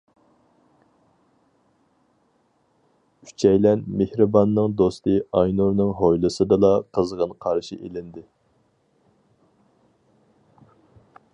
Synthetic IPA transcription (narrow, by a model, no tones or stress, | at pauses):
y̥t͡ʃʰɛjlɛnmehɾɨbɑnːɨŋd̪ost̪ɨɑjnuɾnɨŋɦojlˠɨsɨd̪ɨlɑqʰəzʁənqʰɑɾʃḭʔḛlɪnd̪ɪ